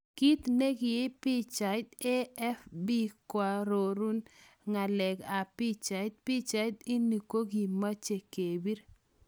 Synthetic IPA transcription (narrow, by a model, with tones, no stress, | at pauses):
ki˦t̪ne˦ɡɪ˨je˦pi˦t͡ʃa˨ɪ˦t̪e˦ɛ˦fbi˦kwa˨ɾo˨ɾu˦n | ŋa˨lɛ˨ɡa˨pi˦t͡ʃa˨ɪ˦t̪̚pi˦t͡ʃa˨jt̪i˦ni˨ko˦ɡi˨ma˦t͡ʃe˨ke˨bi˦ɾ